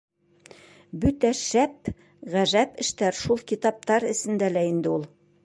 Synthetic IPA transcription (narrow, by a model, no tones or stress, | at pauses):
bʉt̪æʃæp | ʁæʒæpɘ̆ʃt̪æɾʃulˠkit̪ɑp̚t̪ɑɾɘ̆sɘ̆nd̪ælæind̪ɘulˠ